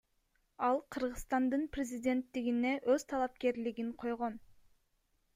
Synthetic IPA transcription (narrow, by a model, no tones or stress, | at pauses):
ɑlˠqʰɯɾʁɯst̪ɑnd̪ɯnprʲɪzʲidʲe̞nt̪ːiɡine̞ʔøz̥t̪ʰɑlˠɑp̚ke̞ɾliɡiɴqʰo̞jʁo̞n